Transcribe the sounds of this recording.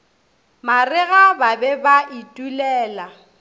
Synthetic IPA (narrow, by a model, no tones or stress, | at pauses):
marɪɣababɛbaʔitʼulɛːla